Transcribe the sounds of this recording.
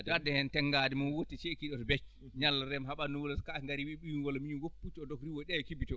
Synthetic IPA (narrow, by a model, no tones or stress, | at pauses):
dɔadɛhɛntɛŋɡadimunwotːit͡ʃekiɗɔtɔbɛt͡ʃ | ɲalːaɾɛmɦaɓanuwɔlɔskaŋɡaɾiwiɓijunwɔlɔmiɲinɡopːut͡ʃɔdɔkɾiwɔɗɛkibitɔ